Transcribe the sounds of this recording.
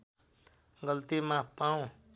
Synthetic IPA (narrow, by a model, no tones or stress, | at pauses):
ɡʌlt̪imãpaw̃